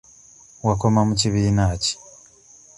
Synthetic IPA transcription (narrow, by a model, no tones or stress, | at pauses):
wako̞mamuciβiːnaːci̥